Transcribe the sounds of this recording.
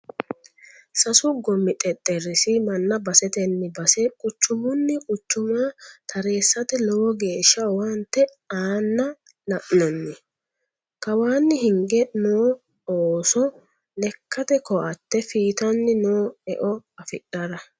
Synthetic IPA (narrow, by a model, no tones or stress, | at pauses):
sɐsʊɡɔmːɪt̪ʼɛt̪ʼːɛɾːɪsɪmɐnːɐbɐsɛt̪ɛnːɪbɐsɛkʼʊt͡ʃːʊmʊnːɪkʼʊt͡ʃːʊmat̪ʰɐɾe̞ːsːɐt̪ɛlɔwɔɡe̞ːʃːɐwɐnt̪ːɛ | aːnːɐ | lɐʔnɐnːɪ | kɐwaːnːɪhɪŋɡɛnoː | oːsɔ | lɛkːɐt̪ɛkɔʔɐt̪ːɛfiːt̪ɐnːɪnoːɛ̰ʔɔɐfɪɗɐɾɐ